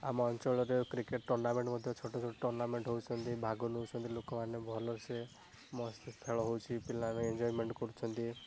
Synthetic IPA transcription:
a̰mɔɔnt͡ʃɔɭɔɾekɾikeʈ̚ʈɔɾnameɳʈmɔd̪ʱjɔt͡ʃʰɔʈɔt͡ʃʰɔʈɔʈɔɾnameɳʈɦowt͡ʃʰɔnt̪ibʱaɡɔnɦowt͡ʃʰɔnt̪ilokɔmanːjɔbʱɔlɔɾse | mɔst̪p̪ʰeɭɔɦowt͡ʃʰipilaameend͡ʒɔjmeɳʈkɔɾut͡ʃʰɔnt̪i

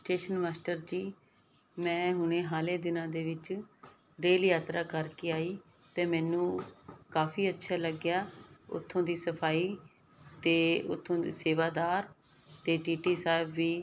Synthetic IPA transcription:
sʈeːʃənmaːsʈəɾd͡ʒiː | mɛ̃ːɦʊnẽːɦaːleːd̪ɪnãːd̪eːʋɪt͡ʃ | ɾeːljaːt̪ɾaːkəɾkeːaːiː | t̪eːmɛ̃ːnũːkaːpʰiːətːʃʰaːləɡjaːʊ̰t̪ʰːõːd̪iːsəpʰaːiː | t̪eːʊ̰t̪ʰːõːd̪ḭːseːʋaːd̪aːɾ | t̪eːʈiːʈiːsaːɪbʋiː

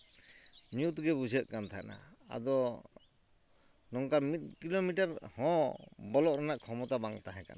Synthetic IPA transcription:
ɲjut̪ɡɛbud͡ʒʱɛt̪̚kant̪ʰaʔna̰a̰d̪ɔ | nɔŋkamit̪̚ˀkilomiʈaɾhɔ̃bɔlɔʔɾanaʔkʰɔmɔt̪abaŋt̪aɦɛ̃ka̰na

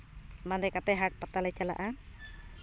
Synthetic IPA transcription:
mandɛkat̪ɛɦak̚pat̪alɛt͡ʃala̰ʔa

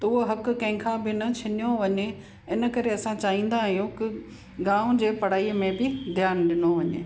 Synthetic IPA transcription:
t̪ɐʊɦoɦɐk̆kɐ̃ɦɪ̃kʰãbɪnɐt͡ɕʰɐnijoʋɐɲe | ɪnə̆kɐɾeɐsãt͡ɕaːɦĩːn̆d̪aːɦijũkɪ | ɡãːʋʊ̃d͡ʑeːpɐɽ̤aːiːmẽbɪd̪ʱɪjaːnɗɪnoʋɐɲḛː

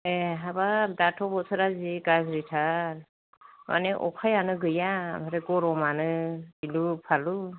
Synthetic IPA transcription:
eɦabadatʰɔbɔsʰɯɾaziɡazɾitʰaɾ | mʔa̰neʔɔ̰kʰajanɯɡɯjabaɾeɡɔɾɔmanɯilupʰalu

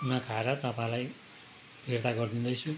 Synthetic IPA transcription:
unʌkʰaɾʌt̪ʌpãĩlaj | bʱerd̪aɡʌrd̪ind̪ʌt͡sʰu

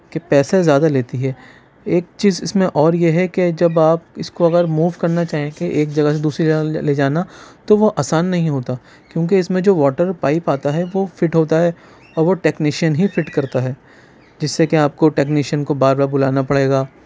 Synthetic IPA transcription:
kepɛːsazjaːd̪aleːt̪iɦɛː | eːk̚t͡ʃiːzɪsmẽʔɔːɾjeɦɛked͡ʒɐbaːpɪskoɐɡəɾmuːʋkɐɾnat͡ʃaːɦẽkeʔeːk̚d͡ʒɐɡəs̬ed̪uːsɾiled͡ʒaːnat̪oʋoʔaːsaːnːɐɦĩɦoːt̪a | kjõːk̬eɪsmẽd͡ʒoːʋɔːʈəɾpaːɪpaːt̪aɦɛʋofɪʈɦoːt̪aɦɛː | ɔːɾʋoʈɛːknɪʃənɦifɪʈkɐɾt̪aɦɛː | d͡ʒɪsːekeaːp̚koʈɛːknɪʃənkobaːɾbaːɾbʊlaːnapɐɽeːɡaː

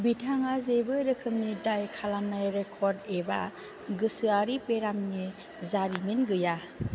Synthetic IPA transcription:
bitʰaŋazebɯɾɯkʰɯmnidajkʰalanajɾekʰɔɾdeba̰ | ɡɯsɯaɾipeɾamni | zaɾiminɡɯja

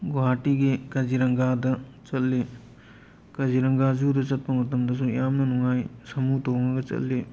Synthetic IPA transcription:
ɡoaːʈiɡekɐd͡ʒiɾɐŋɡaːd̪ɐt͡ʃɐlːe | kɐd͡ʒiɾɐŋɡaːd͡ʒuːd̪ɐt͡ʃɐt̪̚pɐŋɐt̪ːɐmd̪ɐs̬ujaːmnɐnuŋaːjsɐmuːt̪oːŋɐɡɐt͡ʃɐ̰lːe

